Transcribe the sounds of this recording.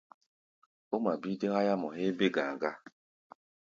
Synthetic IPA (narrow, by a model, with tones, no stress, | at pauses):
o˦ma˨bi˦de˦ɣa˦ja˦mɔ˨ɦe˦be˦ɡa˨ɡa˦